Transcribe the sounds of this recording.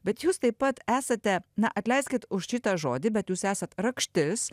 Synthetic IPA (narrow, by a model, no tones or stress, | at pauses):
bʲɛt̪juːst̪ɐɪpɐt̪æːsɐt̪ʲɛnɐʔɐt̪ʲlʲɛɪsʲkʲɪt̪ʊʃʃʲɪt̪ɐʒoːd̪ʲɪbʲɛt̪juːsæːsɐt̪ɾɐkʃʲt̪ʲɪs